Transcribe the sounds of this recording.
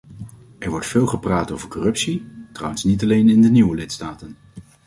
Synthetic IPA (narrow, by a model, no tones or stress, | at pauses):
ɛɹʋɔɹtfɪːlˠχəpraːtowvəɹkɔrɵpsitrʌ̰wənsnitɑlejnɪndəniʋəlɪtstaːtən